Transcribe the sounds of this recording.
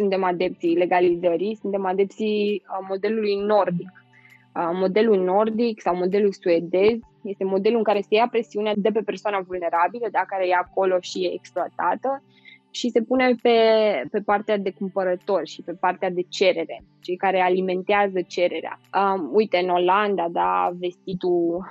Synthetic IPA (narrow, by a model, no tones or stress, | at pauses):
sunt̪e̞mad̪e̞p̚t̪sile̞ɡalizəɾisunt̪e̞mad̪e̞p̚t̪simo̞d̪e̞lulujno̞rd̪ik | əmo̞d̪e̞lulno̞rd̪iksawmo̞d̪e̞lulsue̞d̪e̞zʲ | je̞st̪e̞mo̞d̪e̞luɨŋkaɾe̞se̞japɾe̞siunead̪e̞pe̞pe̞rsoanavulne̞ɾabiləd̪akaɾe̞jaːko̞lo̞ʃieekspluat̪at̪ə | ʃise̞pune̞pe̞pe̞part̪ead̪e̞kumpəɾət̪o̞rʲʃipe̞part̪ead̪e̞t͡ʃe̞ɾe̞ɾe̞ | t͡ʃejkaɾe̞alime̞nt̪eazət͡ʃe̞ɾe̞ɾea̰əujt̪e̞ɨno̞land̪ad̪ave̞st̪it̪u